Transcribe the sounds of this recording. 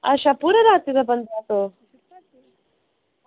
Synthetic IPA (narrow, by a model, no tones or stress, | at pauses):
aɕapuɾəɾat̪id̪abənd̪ʱat̪o